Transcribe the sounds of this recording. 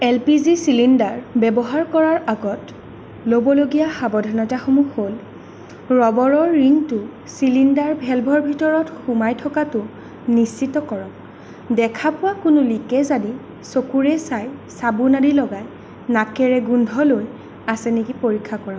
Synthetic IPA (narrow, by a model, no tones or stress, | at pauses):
ɛlpizisilindaɹbɛbɔɦaɹkɔɹaɹaɡɔt | lobɔloɡijaxabɔdʱɔnɔtaxomuxol | ɹɔbɔɹɔɹːintʊ | silindaɹbʱɛlbʱɔɹbʱitɔɹɔtxumajtʰɔkatʊ | nist͡ʃitɔkɔɹɔk̚ | dɛkʰapʊwakʊnʊlikɛzadi | sokuɹɛsajsabunadilɔɡaj | nakɛɹɛɡundʱɔloj | asɛnekipoɹikʰːakɔɹa